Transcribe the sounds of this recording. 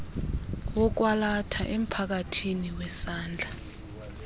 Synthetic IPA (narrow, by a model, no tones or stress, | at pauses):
wɔk̬walatʰa̰ʔem̩pʰak̬atʰiniwɛsaːnd͡ɮʱa